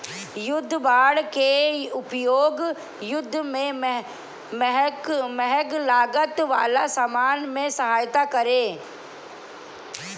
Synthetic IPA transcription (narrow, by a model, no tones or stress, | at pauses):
jʊd̪ʱːbaːɽkeʊpjoːɡ | jʊd̪ʱːmẽ | mɦməɦɛɡlaːɡət̪ʋa̰ːlasamaːnmẽsəɦaːjt̪akɐɾeː